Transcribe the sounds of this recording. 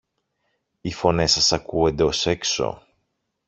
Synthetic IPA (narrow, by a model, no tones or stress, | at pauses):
ifo̞ne̞sɐsɐkue̞nd̪e̞o̞se̞kso̞̰